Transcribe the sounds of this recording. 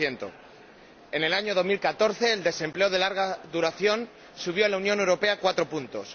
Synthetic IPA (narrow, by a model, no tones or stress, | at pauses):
je̞nt̪o̰ | e̞ne̞laɲo̞ðo̞zmilkat̪o̞ɾθe̞ːld̪e̞sẽ̞mple̞oð̞e̞laɾɣ̞aðuɾaθjo̞n | suβ̞joelaunjo̞newɾo̞pe̞akwat̪ɾo̞punt̪o̞s